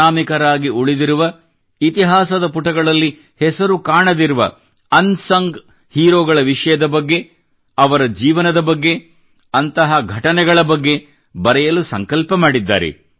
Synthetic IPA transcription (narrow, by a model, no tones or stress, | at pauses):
aːmikɐɾaːɡiuɭid̪iɾuʋɐ | it̪iɦaːsɐd̪ɐpuʈɐɡɐɭɐlːi | hɛsɐɾukaːɳɐd̪iɾuʋɐ̰ | ɐnsɐŋɡ | hiːɾoːɡɐɭɐʋiʂɐjɐd̪ɐbɐɡːe̞ | ɐʋɐɾɐd͡ʒiːʋɐnɐd̪ɐbɐɡːe̞ | ɐnt̪ɐɦɐɡʱɐʈɐnɛɡɐɭɐbɐɡːe̞ | bɐɾɛjɐlusɐŋkɐlpɐmaːɽid̪ːa̰ːɾḛ